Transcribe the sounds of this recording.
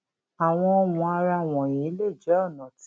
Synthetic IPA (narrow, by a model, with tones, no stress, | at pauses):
a˨w̃ɔ̃˧ɔ˧wũ˧a˧ɾa˧˨w̃ɔ̃˨j̃ĩ˨˦le˦˨d͡ʒɛ˨˦ɔ˦˨nã˨t